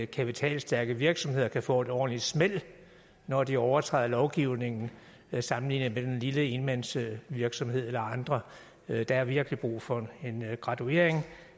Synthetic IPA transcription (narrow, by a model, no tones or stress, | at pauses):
kʰæpit͡sʰɛ̰ːlsd̥æɐɡ̥əʋiɐɡ̥sɒ̽mhe̝ð̰ˠɐkʰæfɔ̰ːe̝d̥ɒ̰ːn̩li̥smel̰ | nɒd̥iɒʊɐt͡sʰʁɑ̰ːðˠɐlɒʊɡ̥iʊ̰ne̝ŋn̩ | sɑ̈mn̩lḭːnð̩ˠmed̥enliləe̝nmænsəʋiɐɡ̥sɒ̽mhe̝ð̞̰ˠelɐɑ̈nd̥ʁɐ | d̥ɑ̈æɐʋiɐɡ̥əlib̥ʁṵːfɒ̽e̝nɡ̥ʁɑ̈due̝̰ɐ̰eŋ